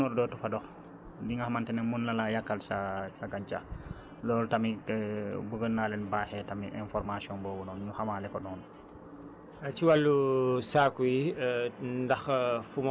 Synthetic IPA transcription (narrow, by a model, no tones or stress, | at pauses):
ɔɾdɔtufadɔx | diŋɡahamantɛnɛmunːalajakːalsasaɡaɲt͡ʃa̰ | lɔːltami | bəɡənːaːlɛnbaːhɛtamḭʔɛnfɔɾmasiɔnbɔːbunɔnɲuhamalɛkɔdɔːn | t͡ʃiwalːusakuji | ndɐxfum